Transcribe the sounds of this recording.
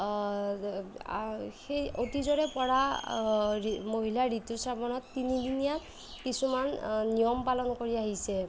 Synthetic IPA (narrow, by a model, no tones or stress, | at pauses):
xejotizɔɹɛpɔɹa | moɦilaɹitusapɔnɔt̪ːinid̪inija | kisumanːijɔmpalɔnkoɹiaɦisɛ